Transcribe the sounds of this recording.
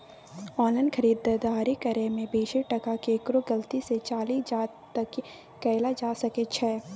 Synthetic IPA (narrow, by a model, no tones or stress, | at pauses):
ɔːnlaɪnkʰɐɾiːd̪d̪aːɾikɐɾemẽbeːʃeʈɐkakeːkɾoɡɐlt̪iset͡ʃaːliːd͡ʒaːɾ | t̪ɐkː | ɛːɪlad͡ʒaːsɐket͡ʃʰɛː